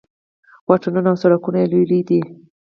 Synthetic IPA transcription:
wɑʈanunaːwsaɽakunaelulid̪i

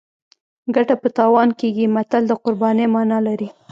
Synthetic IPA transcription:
ɡaʈapət̪ɑwɑnkeɡimat̪ald̪əqʊɾbɑnemɑnɑlaɾi

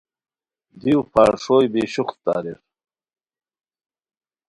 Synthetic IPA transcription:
d̪iwpʰaːɾʂoːjbiːɕuχt̪t̪a̰ːɾiɾ

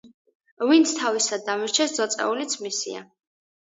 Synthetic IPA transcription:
vint̪sʰt̪ʰavisad̪amiɾt͡ʃʰɛsd̪zɔt̪sʼɛ̰ulit̪sʰmisḭa̰

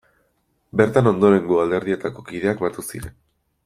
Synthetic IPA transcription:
be̞ɾt̪ano̞nd̪o̞ɾe̞ŋɡuald̪e̞ɾðie̞t̪ako̞kiðe̞akbaɾt̪usḭɾen

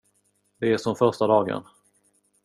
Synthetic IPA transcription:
d̪ɛæʂɔmfœɾʂʈad̪ɑːɡə̰n

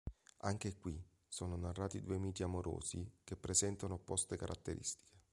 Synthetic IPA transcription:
aŋk̟ekwi | soːnonarːaːt̪id̪uːemiːt͡ʃiamoɾʔo̰ːzikepːɾezɛnt̪anoːpːɔst̪ekaɾʔa̰t̪ːeɾʔḭst̪i̥ke̥

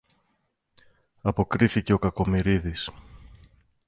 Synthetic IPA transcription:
ɐpo̞kɾiθice̞o̞kɐko̞miɾiðis

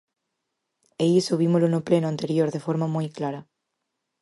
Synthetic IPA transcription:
eʎɪsoβimolʊnʊplenʊãnt̪eɾjoɾðefoɾmɐmojklaɾɐ

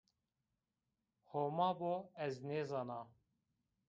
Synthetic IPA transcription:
homɑːboɛzneːzɑːnɑː

